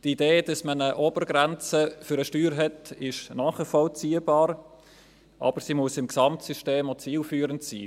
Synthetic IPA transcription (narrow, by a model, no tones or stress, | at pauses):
tideːd̥ɑsmənəʔoːb̥əɾɡɾɛnt͡səfʏɾəʃtyːɾɦɛtɪʃnɑːχəfɔlt͡siːəbɑːɾ | ʔɑ̰b̥əɾsimʊsɪmksɑmtsyʃteːmot͡siːlfyːɾəntsḭː